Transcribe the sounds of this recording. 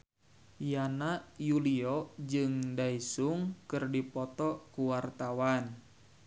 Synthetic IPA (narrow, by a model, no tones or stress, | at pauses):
janajuliɔd͡ʒɨŋdaisuŋkɨrdipɔt̪ɔkuwart̪awan